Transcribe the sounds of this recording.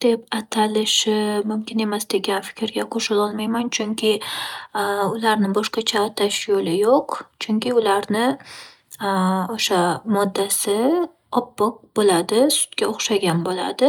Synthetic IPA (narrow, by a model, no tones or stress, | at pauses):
d̪̥e̞pat̪ʰalɪʃɪmʊmkʲɪne̞masd̪e̞ɡʲanfɪ̥kʲɾɡʲaqʰoʃɪlɒlˠmajmant͡ʃʰʊŋkʲʰɪ | ʊlaɾnɪbɒʃqɑt͡ʃʰaːt̪ʰaʃjolɪjoqt͡ʃʰʊŋkʲɪʊlaɾnɪ | oʃamɒd̪ːasɪ | ɒpːɨq̚bolad̪ɪsʊ̥t̪ɡʲaoχʃaɡʲanbola̰d̪ɪ